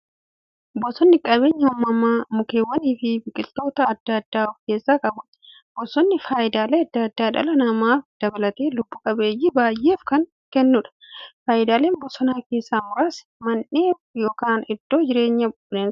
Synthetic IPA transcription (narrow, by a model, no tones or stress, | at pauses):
bɔsɔnːɪkʼɐbe̞ːɲːɐwɔmːɐmːaːmʊkeːwːɐniːfɪbɪkʼɪlt̪o̞ːt̪ɐːd̪ːɐd̪ːaːfke̞ːsːaːkʼɐbʊᶑɐ̥ | b̥ɔsɔnːɪfaːjɪd̪aːleːɐd̪ːɐɐd̪ːaːᶑɐ̰lɐnɐmaːfd̪̥ɐbɐlɐt̪eːlʊbːʊkʼɐbeːjːɪbaːjːe̞ːfkɐŋ | kɛnːʊᶑɐ̥faːjɪd̪aːle̞ːnbɔsɔnaːke̞ːsːaːmʊɾaːs | mɐnːeː | joːkaːnɪd̪̥ːo̞ːd͡ʒɪɾe̞ːɲːɐb | neːn